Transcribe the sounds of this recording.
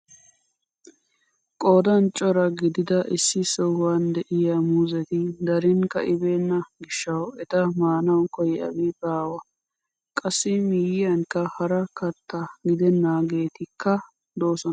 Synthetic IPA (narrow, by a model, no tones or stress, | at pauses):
kʼoːd̪ɐnt͡ʃʼːɔɾɐɡɪd̪ɪd̪ɐʔɪsːɪsɔwːand̪ɛʔɪjamuzɛt̪ɪd̪ɐɾɪnkɐ̰ʔɪbe̞ːnːɐɡɪʃːɐwɛt̪ɐmaːnɐwkɔjɛɐ̰wɪbaːwɐ | kʼɐsːɪmiːjɪjɐŋkɐhɐɾɐkɐt̪ʰːɐɡɪd̪ɛnːaːɡe̞ːt̪ɪkːɐ | d̪o̞ːsɔnɐ